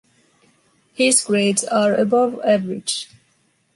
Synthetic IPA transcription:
hɪzɡɹedzaɹəbʌvævəɹɪ̰̥d͡ʒ

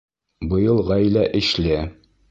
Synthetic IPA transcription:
bɤ̆jɤlˠʁæjlæʔɘ̆ʃlæ

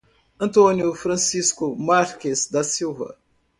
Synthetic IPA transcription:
ɐ̃nt̪õnjʊfɾɐ̃siskʊmaɾkezd̪ɐsiwvɐ̰

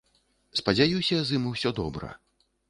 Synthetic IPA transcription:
spɐd͡zʲajusʲɐzɨmuwsʲɔd̪ɔbɾɐ̰

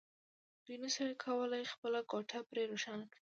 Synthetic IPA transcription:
d̪̥ujnəsajkʰawəlajxpəlakɑʈʰapɾeɾoʃanaki

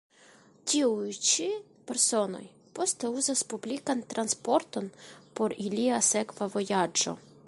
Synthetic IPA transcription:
tʲiujt͡ʃi | pɛɾso̞no̞̰j | po̞st̪euzaspublʲikant̪ɾʔanspo̞ɾt̪o̞npo̞ɾilʲiasekvavojad͡ʒo̰

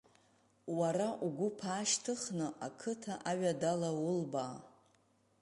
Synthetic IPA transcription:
waɾaʔuɡʷʊpʰaːʃtʰɨχnɨʔakʰɨtʰaʔaɥadalawʊlbaː

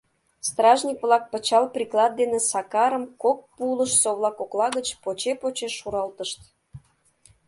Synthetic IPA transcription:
st̪rɑʒnʲikβlɑk̚pət͡ɕɑlprʲiklɑd̪̚d̪enesɑkɑɾəmkok̚puləʃsoβlˠɑkoklɑɣət͡ɕpot͡ɕepot͡ɕeʃːuɾɑlt̪əʃt̪

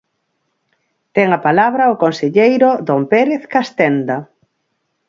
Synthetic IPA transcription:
t̪ɛŋapalaβɾɐʊkonseʎejɾʊd̪ompeɾeθkast̪ɛnd̪ɐ

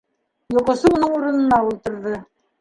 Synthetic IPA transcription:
jŏqŏsɤunɤɴuɾɤ̆nɤ̆nɑulˠt̪ɤ̆ɾðɤ

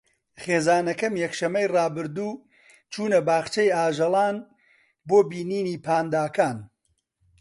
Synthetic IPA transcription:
χeːzaːnɐkɐmjɛkʃɐmːɐjrɑːbɨɾd̪uː | t͡ʃʰuːnɐbaːχt͡ʃɐjaːʒɐlˠaːn | boːbiːniːniːpʰaːnd̪aːkaːn

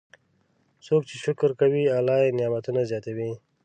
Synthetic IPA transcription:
soːk̚t͡ʃeʃʊkɾkawialaenjamat̪unazjaːt̪awi

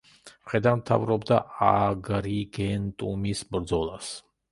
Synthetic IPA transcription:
χɛd̪amt̪ʰavɾɔbd̪aʔaɡɾiɡɛnt̪ʼumisbɾd̪zɔlˠas

